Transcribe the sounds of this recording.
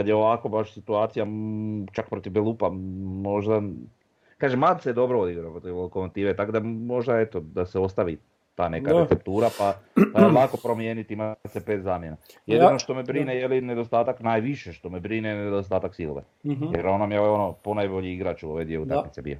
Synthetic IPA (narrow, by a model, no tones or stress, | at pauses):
kad̪jeoʋako̞baʃsit̪uaːt̪sijat͡ʃakpɾo̞t̪ivbelˠupamo̞ʒd̪a | kaːʒemad̪seed̪o̞bɾood̪iɡɾapɾot̪ilokomat̪iːʋet̪akod̪amo̞ʒd̪aet̪o̞d̪aseo̞st̪aʋi | t̪aːne̞kaetsep̚t̪uːɾapapalako̞pɾo̞mjeːnit̪iimasepeːt̪zaːmje̞najed̪ino̞ʃt̪omebɾinejelined̪ost̪aːt̪aknajʋiʃeʃt̪o̞mebɾinened̪ost̪aːt̪aksilo̰ʋḛjeɾonamjeoʋeo̞noponajboʎiiɡɾat͡ʃuoʋed̪ieut̪a̰kmit̪ebḭjo